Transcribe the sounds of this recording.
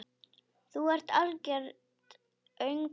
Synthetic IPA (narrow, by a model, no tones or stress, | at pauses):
θuɛɾ̥t̪aɾcɛɾ | t̪ | œɥŋ